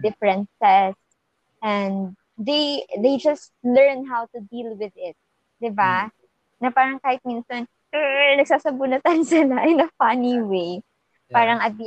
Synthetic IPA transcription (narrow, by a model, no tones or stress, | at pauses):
d̪ɪfɹɛ̃nsɛs | ʔɛnd̪̚ | d̪ejd̪ejd͡ʒɐst̪̚lɛɹnɦawt̪ʊd̪ilwɪðɪt̪̚ | d̪̥ɪba | nɐpaːɾɐŋkaːhɪt̪̚mɪnson̩ | nɐɡ̚saːsɐbʊnɐt̪ɐnsɪlaʔɛnɐfɐniwej | paːɾɐŋʔɐb̚i